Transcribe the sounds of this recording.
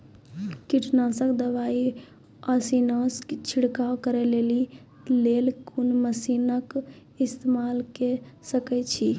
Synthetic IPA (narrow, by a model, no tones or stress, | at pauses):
kiʈʰnasəkd̪əʋai | əsinəst͡ʃʰiɽkakəɾɛleli | lelkunməsinək | ist̪emalkesəkɛt͡ʃʰi